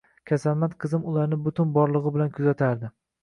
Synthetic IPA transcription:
kʲʰasalmat̪qʰɨzɪmʊlˠaɾnɪbʊt̪ʰʊnbɒɾlˠɨʁɨbɪlankʰʊzat̪ʰaɾd̪ɪ

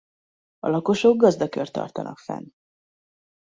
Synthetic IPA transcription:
ɒ̰lɒko̞ʃo̞ɡɡɒzd̪ɒkø̞rt̪ɒ̰rt̪ɒnɒkfɛ̰n

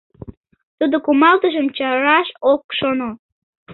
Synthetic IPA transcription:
t̪ud̪okumɑlt̪əʒəmt͡ɕɑɾɑʃok̚ʃono

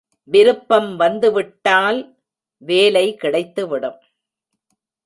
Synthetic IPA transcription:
ʋɪɾɯpːɐmʋɐnd̪ɯʋɪʈːaːl | ʋeːlɐɪkɪɽɐɪt̪ːɯʋɪɽɯm

